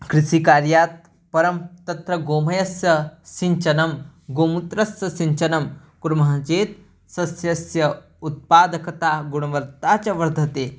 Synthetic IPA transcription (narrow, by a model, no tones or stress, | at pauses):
kɾiʃikaːɾjaːt̪̚ | pɐɾɐmt̪ɐt̪ɾɐɡoːmɐjɐsjɐsiɲt͡ʃɐnɐmɡoːmut̪ɾɐsjɐsiɲt͡ʃɐnɐm | kuɾmɐɦat͡ʃeːt̪̚ | sɐsjɐsjɐ | ut̪̚paːd̪ɐkɐt̪aːɡuɽ̃ɐʋɐɾt̪at͡ɕɐʋɐɾd̪ʱɐt̪eː